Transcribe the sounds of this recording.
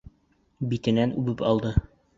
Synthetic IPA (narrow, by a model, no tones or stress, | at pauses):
bit̪ɘ̆nænʉbɘpɑlˠd̪ɤ